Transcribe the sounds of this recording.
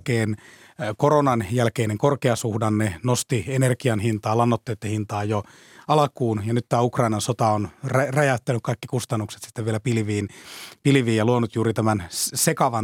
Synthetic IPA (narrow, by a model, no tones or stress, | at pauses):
keːn | koronɑnjælkeːneŋkorkeɑsuhdɑnnenost̪ienerkiɑnhint̪ɑːlɑnːot̪ːeːt̪ːæhint̪ɑːjo | ɑlɑkuːnjɑnyt̪t̪æːukrɑinɑnsot̪ɑonrræjæt̪ːænykkɑikːikust̪ɑnːukset̪si̥t̪ːeʋʋielæpilʋiːnpilʋiːjɑluonut̪juːɾit̪æmænsekɑʋɑ